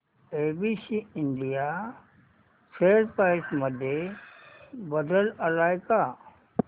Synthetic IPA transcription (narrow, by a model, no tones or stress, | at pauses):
eːbisiɪɳɖija | sʰeːɾpaɪsməd̪ʱje | bəd̪ələlaːɪka